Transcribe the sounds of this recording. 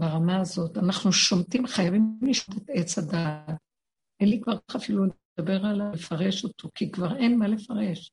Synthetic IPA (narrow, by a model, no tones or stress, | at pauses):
beʁamaːzo̞tanaχnuʃomtimχajavimmliʃmotet̪et͡shadat̚ | elikvaʁkaχafiluldabe̞ʁalaefaʁeʃo̞to̞kikvaʁenmale̞faʁe̞ʃ